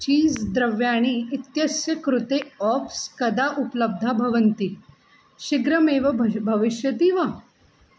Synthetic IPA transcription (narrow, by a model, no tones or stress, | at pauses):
t͡ɕiːzd̪ɾɐʋjaɽ̃iːt̪jɐsjɐkɾut̪eɔfskɐd̪aʔupləb̚d̪ʱabʱɐʋənt̪i | ɕiɡɾəmeːʋɐbʱɐʋiɕjɐt̪iːʋə